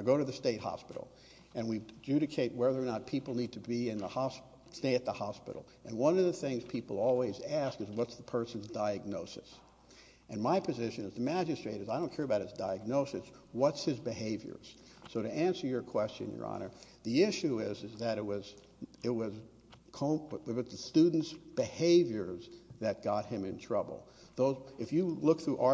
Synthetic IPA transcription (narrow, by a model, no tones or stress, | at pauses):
aɪɡoʊɾɨðɨsteɪt̚hɑ̰spɪ̰ɾl̩ˠ | ɨ̃nwid͡ʒʉɾɨkʰeɪt̚wɛðə˞ənət̚pʰipl̩ˠnid̚tʰɨbiɪ̃nðəhɑs | steɪɨt̪̚ðəhɑspɪ̰ɾl̩ˠɨ̃nwʌ̃nʌvðɨθɪ̃ŋz̥pʰipl̩ˠɔlˠwizæskɨzwʌtsðəpʰɜ˞sn̩zdaɪɨɡ̚noʊsɨ̰s | ɨ̃nmaɪpʰɨzɪʃɨ̃nɨzðɨmæd͡ʒɨstɹ̥eɪɾɨzaɪɾõʊ̃nkʰɛɹɨbaʊt̚ɨzdaɪɨɡ̚noʊsɨs | wʌtshɨzbɨheɪvjə̰˞z̥ | soʊɾɨæ̃nsə˞jə˞kʰw̥ɛst͡ʃɨ̰̃njə̰˞ɑ̰nə˞ðiɪʃʉɪzɨzðɨɾɨt̚wʌz | ɪt̚wʌz̥ | kʰõɨt̚wʌzðɨstʉdⁿn̩tsb̥ɨheɪvjə˞zðɨt̚ɡ̥ɑt̚hɨ̃mɨ̃ntʰɹ̥ʌbl̩ˠ | ðoʊzɨfjɨlʊk̚θɹuʔɑ